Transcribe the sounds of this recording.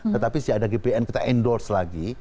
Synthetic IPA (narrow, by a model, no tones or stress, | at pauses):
t̪ət̪apisiadaɡepeɛnkit̪aʔɛndɔrslaɡi